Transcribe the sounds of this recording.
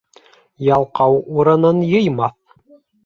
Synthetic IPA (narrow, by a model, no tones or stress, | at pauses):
jɑlˠqɑwuɾɤ̆nɤnjɤ̆jmɑθ